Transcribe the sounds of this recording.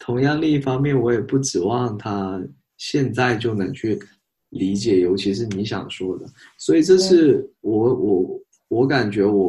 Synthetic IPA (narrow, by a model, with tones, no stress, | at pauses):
t̪ʰʊ˧˥ŋjɑ˥˧ŋli˥˧i˥˩fɑ˥ŋmjɛ˥˩nwɔ˧˥jɛ˨˩pu˥˩ʈ͡ʂɻ̩˨˩wɑ˥˩ŋt̪ʰa˥ | ɕjɛ˥˧nt͡sa˥˧ɪt͡ɕjo˥˩ʊnə˧˥ŋt͡ɕʰy˥˩ | li˧˥t͡ɕjɛ˨˩jo˧˥ʊt͡ɕʰi˧˥ʂ̬ɻ̩˥˩ni˧˥ɕjɑ̰˨˩ŋʂwɔ˥d̪ə˨swɔ˧˥i˨˩ʈ͡ʂɤ˥˧ʂɻ̩˥˩wɔ˧˥wʔɔ˨˩˦ | wɔ˧˥ka˨˩nt͡ɕɥɛ˧˥wɔ˨˩